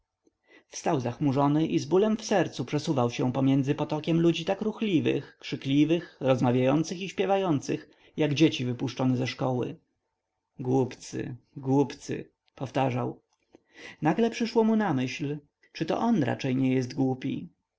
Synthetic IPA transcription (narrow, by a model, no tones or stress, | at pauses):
fst̪awzaxmuʐɔnɘʔizbulɛmfsɛɾt̪supʂɛsuvawɕɛ̃pɔmʲjɛnd̪zɘpɔt̪ɔkʲɛmlud͡ʑit̪akɾuxlʲivɘ̰xkʂɘklʲivɘxɾɔzmavʲjajɔnt̪sɘxiɕpʲjɛvajɔnt̪sɘx | jaɡd͡ʑet͡ɕivɘpuʂt͡ʂɔnɛzɛʂkɔwɘ̰ | ɡwupt̪sɘ̰ɡwupt̪sɘ̰ | pɔft̪aʐaw | naɡlɛpʂɘʂwɔmunamɘɕl | t͡ʂɘt̪ɔ̰ʔɔnɾa̰t͡ʂɛjɲɛjɛst̪ɡwupʲḭ